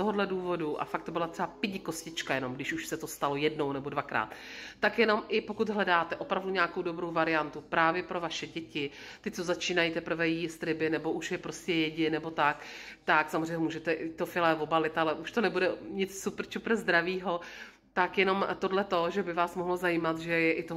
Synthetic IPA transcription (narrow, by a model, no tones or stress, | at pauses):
t̪oɦodlɛduːvo̞duʔa̰fak̚t̪obɪlat̪ɛbapɪɟɪko̞scɪt͡ʃkajɛno̞mɡdɪʃuʃsɛt̪o̞st̪alo̞jɛdno̞wnɛbo̞dvakɾa̰ːt̪ːakjɛno̞mʔɪpo̞kud̪ɦlɛdaːt̪ɛʔo̞pɾavduɲaako̞wdo̞bɾo̞wvaɾɪjant̪upɾaːvjɛpɾo̞vaʃɛɟɛcɪt̪ɪt͡sozat͡ʃiːnajit̪ɛpɾ̩vɛjist̪ɾɪbɪnɛbo̞ʔuʃjɛpɾo̞scɛjɛɟɪnɛbo̞t̪akt̪aksamozrɛjɲːɛmuːʒɛt̪ɛʔɪt̪ofɪlɛvo̞balɪt̪alɛʔuʃt̪onɛbudɛɲɪt͡ssupr̩t͡ʃupɾ̩zd̪ɾaviːɦo̞ | t̪akjɛno̞mt̪o̞dlɛt̪o̞ʒɛbɪvaːsmo̞ɦlozajiːmat̪ʒɛjɛʔɪt̪o